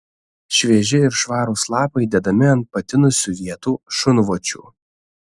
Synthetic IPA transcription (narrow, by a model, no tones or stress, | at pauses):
ʃʲʋʲiɛʒʲɪɪɾʃʋɑːɾuːslˠɑːpɐɪd̪ʲɛd̪ɐmʲɪɐnt̪̚pɐt̪ʲɪnʊsʲʊʋʲiɛt̪uːʃʊnʋoːt͡ʃʲṵː